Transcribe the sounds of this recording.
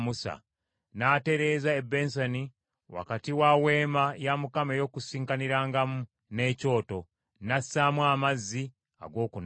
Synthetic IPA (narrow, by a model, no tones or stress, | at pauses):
musa̰ | naːte̞ɾe̞zaebe̞ːns̬ani | wa̰katiwawe̞ːmajamukamejo̞kusiːŋkaniɾaːŋɡamu | ne̞ːco̞ːto̞ | nasamwaːmazːi | a̰ɡo̞ːkun